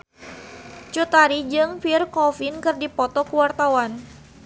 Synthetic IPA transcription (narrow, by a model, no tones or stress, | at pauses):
t͡ʃut̪aɾid͡ʒɨŋfirkɔfinkɨrdipɔt̪ɔkuwart̪awan